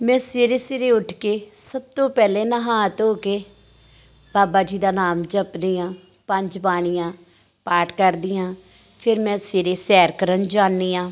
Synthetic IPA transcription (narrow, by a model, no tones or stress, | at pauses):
mɛ̃ːseːɾeːseːɾeːʊʈʰkeːsəb̚t̪õːpɛːleːnəɦaːt̪oːkeː | b̥aːbaːd͡ʒiːd̪aːnaːmd͡ʒəpd̪iːãː | pəɲd͡ʒbaːɽ̃ɪjãː | paːʈkəɾd̪iːãː | pʰɪɾmɛ̃ːseːɾeːsɛːɾkəɾənd͡ʒaːniːãː